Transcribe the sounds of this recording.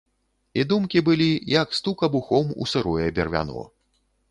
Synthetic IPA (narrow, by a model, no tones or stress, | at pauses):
id̪umkʲibɨlʲijɐkst̪ukɐbuxɔmṵsɨɾɔjɛbʲɛrvʲa̰nɔ̰